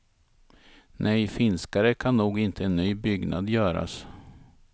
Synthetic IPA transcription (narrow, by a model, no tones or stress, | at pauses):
nʔɛjfɪnskaɾəkʰanːuːɡɪnt̪ʰəɛnːyːbʏɡnʔa̰d̪jœːɾa̰s